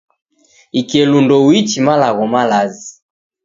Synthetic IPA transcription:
ikɛlundɔwit͡ʃimalaɣɔmalazi

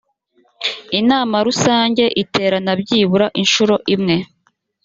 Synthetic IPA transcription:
inaːmaɾusaːɲɟe̞ʔitʰe̞ːɾanabɟiːβuɾaʔinʃuɾo̞ʔimŋe̞

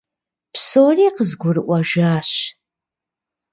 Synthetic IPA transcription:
psoːriːqəzɡʷʊrɨʔʷɐʒʷaːɕ

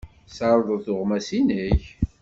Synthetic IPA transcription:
saɾˤðˤəθʊʁmæsinəç

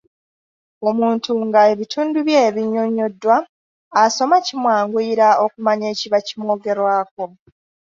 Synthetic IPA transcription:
o̞muːntuŋɡae̞βitʰuːnduβjeːβiɲːo̞ɲo̞dːwaː | so̞macimwaːŋɡwiːɾao̞kumaɲe̞ːciβacimwo̞ːɡe̞ɾwaːk̚o̞

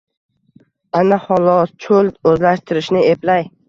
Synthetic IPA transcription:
anahɒlˠɒt͡ʃʰɵld̪ɵzlaʃt̪ʰɪɾɪʃnɪeplaj

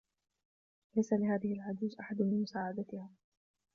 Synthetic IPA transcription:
lajsalɪhaːðɪhɪlʕʊd͡ʒuːzʔaħad̪mɪnmʊsaːʕad̪at̪ɪhaː

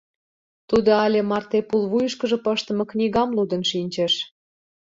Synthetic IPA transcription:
t̪ud̪oɑlʲemɑrt̪epulβujəʃkə̆ʒə̆pəʃt̪ə̆mɤ̆knʲiɣɑmlud̪ə̆nʃinʲt͡ɕĕʃ

